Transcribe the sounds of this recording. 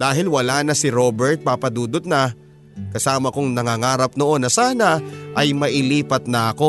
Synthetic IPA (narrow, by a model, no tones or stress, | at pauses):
d̪aːɦɪlwɐlaːnɐsɪɾo̞bɛɹt̪̚papɐd̪uːd̪ot̪̚nɐ | kɐsaːmɐkoŋnɐŋaːŋaːɾɐp̚noʔo̞nːɐsaːnɐʔɐjmɐʔɪliːpɐt̪̚nɐʔɐko̞